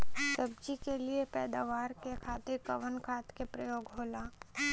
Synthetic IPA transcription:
səbd͡ʒikeliepɛːd̪aːʋaːɾkekʰaːt̪ɪɾkɐʋənkʰaːt̪kepɾəjoːɡɦoːlaː

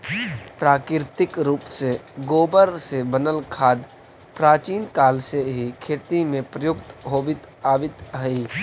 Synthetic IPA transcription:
pɾaːkɪɾt̪ɪkɾuːpseɡoːbəɾsebənəlkʰaːd̪ | pɾaːt͡ʃiːnkaːlseɦikʰeːt̪imẽpɾəjʊkt̪ɦoːʋɪt̪ | aːʋɪt̪ɦəi

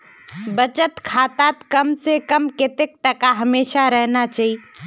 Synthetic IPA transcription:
bɐt͡ʃət̪kʰaːt̪aːt̪kɐmsekəmkɪt̪ek̚ʈ̪ɐkaɦɐmeːʃaɾɛɦnat͡ʃaːɦi

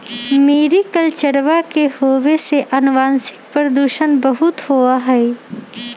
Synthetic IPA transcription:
meːɾikɐlt͡ʃəɽʋakehoːʋeseʔɐnʋãːnsɪ̥k̚pəɾəd̪uːʃənbɐɦʊt̪hoaɦɛː

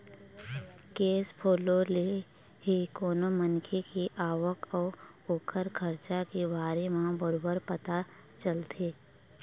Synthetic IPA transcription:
keːspʰoːlole | ɦikoːnomənkʰekiʔaːwəkɔː | oːkʰəɾkʰəɾt͡ʃakibaːɾemãbəɾoːbəɾpət̪a | t͡ʃəlt̪ʰeː

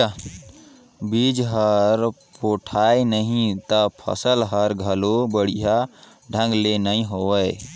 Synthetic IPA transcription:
bid͡ʒɦəɾpoʈʰajnəɦĩt̪əpʰə̰səlɦəɾɡʱəlobəɽ̤iɦa | ɖʱə̃ŋɡlenəĩɦowəj

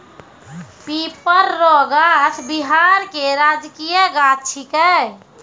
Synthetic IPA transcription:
pipəɾːɔɡat̪ʰbiɦaɾkeɾad͡ʒkijəɡat͡ʃʰikə

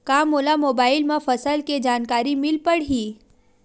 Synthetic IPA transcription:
kaːmoːlamoːbaːɪlmãfɐsəlked͡ʒaːnkaːɾimɪlpəɽɦiː

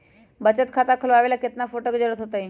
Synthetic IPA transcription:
bət͡ɕət̪̚kʰat̪akʰəloaʋelaket̪nafoʈəkd͡ʑəɾət̪ɦot̪əj

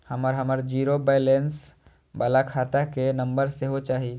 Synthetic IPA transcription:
həməɾɦəməɾd͡ʒiːɾobeɪlens | balakʰaːt̪akenə̃mbəɾseɦot͡ʃaːɦi

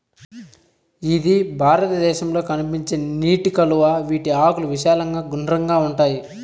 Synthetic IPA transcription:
id̪ibʱaːɾɐt̪ɐd̪ɛːʃɐmlo̞ːkɐnipiɲt͡ʃeːniːʈikɐluʋaːʋiːʈiaːkuluʋiʃaːlɐŋɡaːɡunɾɐŋɡaːuɳʈaːji

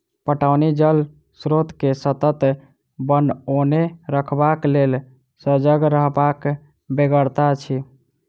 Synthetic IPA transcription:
pəʈaʊnid͡ʒəl | sɾot̪kesət̪ət̪ | bənoneɾəkʰbaklel | səd͡ʒəɡɾəɦbak | beɡəɾt̪at͡ʃʰi

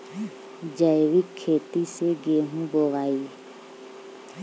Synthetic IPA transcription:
d͡ʒəjʋɪkʰːeːt̪iseɡeːɦũboʋaːiː

